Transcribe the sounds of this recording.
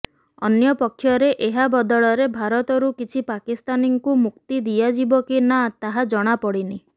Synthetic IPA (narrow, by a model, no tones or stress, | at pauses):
ɔ̰njɔpɔkʰːjɔɾeʔeɦabɔd̪ɔɭɔɾebʱaɾɔt̪ɔɾukit͡ʃʰipakist̪aniŋkumuk̚t̪id̪ijad͡ʒibɔkinat̪aɦad͡ʒɔɽ̃apɔɽini